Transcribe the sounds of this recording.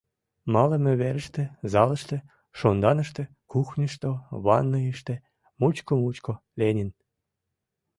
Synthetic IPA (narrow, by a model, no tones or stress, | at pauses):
mɑləmø̆βeɾə̆ʃt̪ĕzɑlə̆ʃt̪ĕ | ʃond̪ɑnə̆ʃt̪ĕ | kuxnʲəʃt̪oβɑnːɤiʃt̪ĕ | mut͡ɕkomut͡ɕko | lʲenʲin